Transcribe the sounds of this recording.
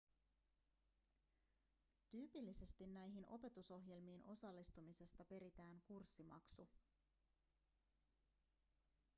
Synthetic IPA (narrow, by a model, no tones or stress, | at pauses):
t̪yːpilːise̞st̪inːæjɦinʔo̞pe̞t̪uso̞ɦje̞lmiːnʔo̞sɑlːist̪umise̞st̪ɑpe̞ɾit̪æːŋkursːimɑ̰ksu